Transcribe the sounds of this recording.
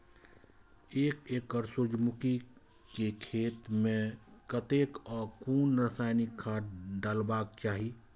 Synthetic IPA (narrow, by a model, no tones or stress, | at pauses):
eːkekːəɾsʊɾd͡ʒmʊki | kekʰeːt̪mẽkət̪eːkɔːɾkuːnɾəsaːɪnɪkʰːaːɖaːlbaːkt͡ʃaːɦi